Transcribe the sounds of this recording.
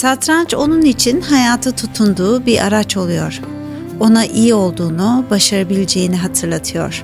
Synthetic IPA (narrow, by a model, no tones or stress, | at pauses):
sat̪ɾant͡ʃo̞nunit͡ʃʰinɦajaːt̪ʰat̪ʰut̪ʰund̪uːbiɾʔa̰ɾat͡ʃo̞lˠujo̞̰ɾ̥ | o̞naʔijio̞lˠd̪uːnubaʃaɾabilʲed͡ʒejiniɦat̪ʰɯɾlˠat̪ʰɯjo̞̰ɾ̥